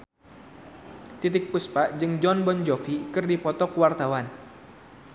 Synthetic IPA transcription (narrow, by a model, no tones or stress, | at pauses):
t̪it̪ɪk̚puspaʔd͡ʒɨŋd͡ʒɔnbɔnd͡ʒɔfikɨrdipɔt̪ɔkuwart̪awan